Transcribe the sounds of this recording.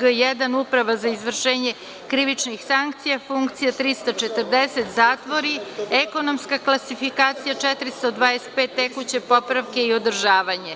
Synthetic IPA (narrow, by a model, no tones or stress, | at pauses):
ojejed̪anuːpɾaʋazaizʋr̩ʃeːɲe̞ | kɾiʋit͡ʃnixsaŋk̚t̪sijafuŋkt̪sijat̪ɾist̪ot͡ʃe̞t̪r̩d̪eset̪zaːt̪ʋoɾieko̞no̞mskaklˠasifikaːt̪sijat͡ʃɛt̪ɾist̪od̪ʋaːest̪̚pet̪ːekut͡ɕe̞po̞pɾaʋke̞io̞d̪rʒaːʋaɲe̞